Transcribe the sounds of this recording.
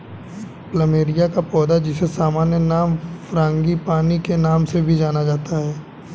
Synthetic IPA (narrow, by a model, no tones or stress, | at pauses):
pləmeːɾijakapɔːd̪ad͡ʒɪsesaːmaːnjənaːmfɾãːŋɡipaːnikenaːmsebʱid͡ʒaːnad͡ʒaːt̪aɦɛː